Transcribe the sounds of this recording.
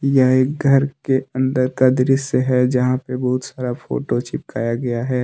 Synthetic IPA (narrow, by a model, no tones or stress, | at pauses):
jəɦekɡʱəɾkeə̃nd̪əɾkad̪ɪɾɪsəɦɛd͡ʒɐɦãpebəɦʊt̪saːɾafʰo̰ːʈot͡ʃɪp̚kaːjaɡɐjaɦɛː